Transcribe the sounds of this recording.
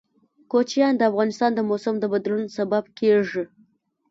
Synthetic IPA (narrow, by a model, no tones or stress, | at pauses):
kot͡ʃjɑnd̪əafɣɑnɪst̪ɑnd̪əmosamd̪əbad̪lunsabab̚keʐi